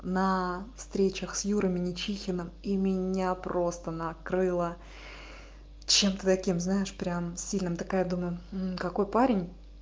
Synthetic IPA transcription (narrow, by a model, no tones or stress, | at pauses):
nəfst̪ɾʲet͡ɕəxsjuɾəmʲɪnʲɪt͡ɕixʲɪnəmimʲɪnʲapɾo̞st̪ənɐkɾɨlˠə | t͡ɕe̞mt̪ət̪ɐkʲimznajɪʂpɾʲamsʲilʲnɨmt̪ɨkajad̪uməjʊm̩kɐko̞jpaɾʲɪnʲ